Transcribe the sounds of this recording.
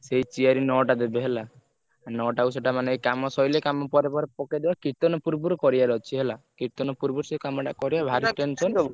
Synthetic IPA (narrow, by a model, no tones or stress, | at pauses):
seɦit͡ʃiaɾinɔʈad̪ebeɦelaː | nɔʈauseʈamaneekamɔsɔjlekamɔpɔɾepɔɾepɔked̪ebakit̪ɔnɔpuɾbuɾkɔɾiaɾɔt͡ʃʰiɦelakit̪ɔnɔpuɾbuɾsekamɔʈakɔɾijabʱaɾiʈensɔn